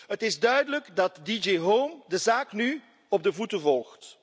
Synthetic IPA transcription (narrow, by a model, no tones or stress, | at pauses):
ɦətɪzdœɥdələɡdɑtdid͡ʒeɦoːmdəzaːkny | ɔb̚dəvutəvɔlˠxt